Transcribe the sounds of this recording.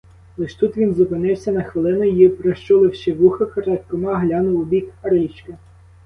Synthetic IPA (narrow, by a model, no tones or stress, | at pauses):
lˠɪʃt̪ut̪ʋʲinzʊpɪnɪwsʲɐnɐxʋɪlˠɪnʊjjipɾɔʃt͡ʃɔlˠɪwʃɪʋuxɐkɐɾɑt̪ʲkɔmɑɦlʲɑnʊwʊbʲikɐɾɪt͡ʃkɐ